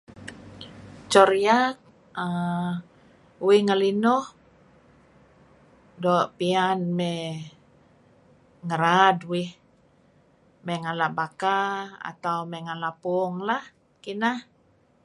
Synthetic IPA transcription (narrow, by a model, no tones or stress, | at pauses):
t͡ʃɔɾijak̚ | ə | wihŋəlinɔh | dɔʔpianmɛ | ŋəɾadwɪh | mɛŋalaʔbakaa̰t̪aumɛŋalaʔpuɔŋlah | kinah